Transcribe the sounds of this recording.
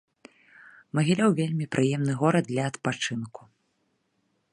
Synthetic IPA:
mɐɣʲilʲawvʲelʲmʲipɾʔɨjɛmnɨɣɔɾɐd̪d̪lʲɐɐt̪pat͡ʂɨnku̥

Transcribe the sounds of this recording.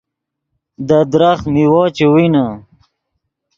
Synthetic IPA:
d̪ad̪ɾaχmiwoːt͡ɕewina

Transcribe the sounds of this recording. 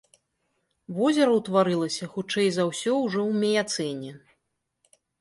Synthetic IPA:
vɔzʲɛɾɐwt̪vaɾɨlˠɐsʲɐxut͡ʂɛjzawsʲɔwʐɔwmʲɛjat̪sɛnʲɛ

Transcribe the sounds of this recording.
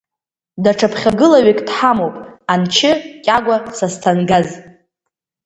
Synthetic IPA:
daʈ͡ʂʰapʰχʲaɡɨlaɥikʼdħamowpʼant͡ʃʰɪkʲʼaɡʷasastʰanɡaz

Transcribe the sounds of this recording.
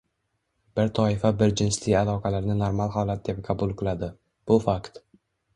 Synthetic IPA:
bɪɾt̪ʰɒɪfabɪɾd͡ʒɪnslɪalˠɒqʰɑlaɾnɪnoɾmalˠhɒlˠat̪̚d̪e̞p̚qʰɑbʊlˠqʰɨlˠad̪ɪ | b̥ʊfakt̪

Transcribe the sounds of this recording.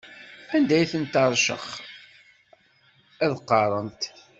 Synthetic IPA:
ænd̪æjθənt̪ɑɾˤʃə̰χ | æðqːɑɾˤənt̪

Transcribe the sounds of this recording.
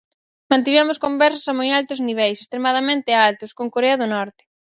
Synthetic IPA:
mãnt̪̬iβɛmʊskombɛɾs̬ḁsamojalt̪ʊzniβ̞ɛjsest̪ɾemað̞amẽnt̪ɪalt̪ʊskoŋkoɾeɐðʊnɔɾt̪ɪ̥

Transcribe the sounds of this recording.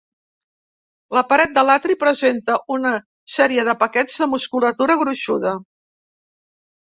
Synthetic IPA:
ləpəɾɛt̪̚d̪əlat̪ɾipɾəzent̪əʔunə | sɛɾiəðəpəkɛz̥ðəmuskulət̪uɾəɣɾuʃuðə

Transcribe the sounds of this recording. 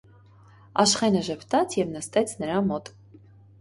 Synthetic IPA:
ɑʃχɛnəʒɛpʰt̪ɑt͡sʰjɛvnəst̪ɛt͡sʰnəɾɑmɔt̪

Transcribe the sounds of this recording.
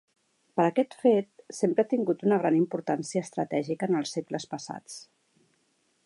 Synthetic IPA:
pəɾəkɛt̪fet̪̚sempɾəat̪iŋɡut̪unəɣɾanimpuɾt̪ansiəːst̪ɾə̰t̪ɛʒikəːnəlˠsekləspəsa̰t͡s

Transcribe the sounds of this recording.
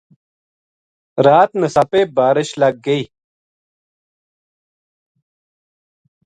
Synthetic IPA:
ɾaːt̪nɐsapeːbaːɾiɕlɐɡ̚ɡɐi

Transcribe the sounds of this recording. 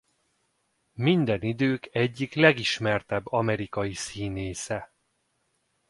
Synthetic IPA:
mind̪ɛnid̪øːkɛɟːiklɛɡiʃmɛrt̪ɛbːɒmɛɾikɒjisiːneːsɛ

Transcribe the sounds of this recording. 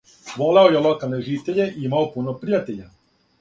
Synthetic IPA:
ʋoleojelokalˠneʒit̪eʎeʔiimaopunopɾijat̪eʎa

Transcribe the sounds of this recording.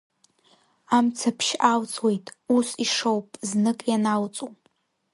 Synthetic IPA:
amt͡sʰapʰʃʔawt͡sʼwe̞jtʼusiʂowpʼznɨkʼjanawt͡sʼu

